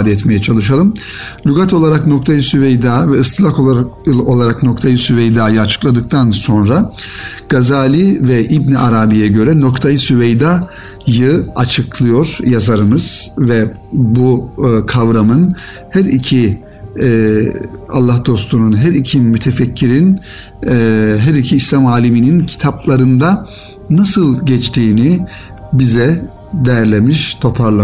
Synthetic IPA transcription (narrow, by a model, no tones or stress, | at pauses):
d̪ɛɛt̪mejɛt͡ʃʰalˠɯʃ̬alˠɯm | lʲyɡat̪ʰo̞lˠaɾakno̞k̚t̪ʰajɯsyvejd̪aːvɛɯst̪ʰlˠaho̞lˠaɾakno̞kt̪ʰajɯsyvejd̪aːjɯat͡ʃʰɯ̥klˠad̪ɯk̚t̪ʰanso̞nɾa | ɡ̥azaːlʲivɛʔibniʔaɾaːbijɛɟø̞ɾɛno̞kt̪ʰajɯsyvejd̪a | jɯat͡ʃʰɯklˠɯjo̞ɾ̥jazaɾɯmɯz̥vɛbukʰavɾamɯn | hæɾicʰi | a̰lˠːahd̪o̞st̪ʰununɦæɾicʰimyt̪ʰefɛcʰːiɾin | ɦæɾicʰiːslʲamaːlʲiminincʰi̥t̪ʰaplˠaɾɯnd̪a | nasɯlˠɟɛt͡ʃt̪ʰiːni | bizɛ | d̪ejæɾlʲemiʃt̪ʰo̞pʰaɾlˠa